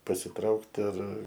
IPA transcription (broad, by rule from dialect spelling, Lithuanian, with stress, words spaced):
pɐsʲɪˈtrɐʊkt ɐr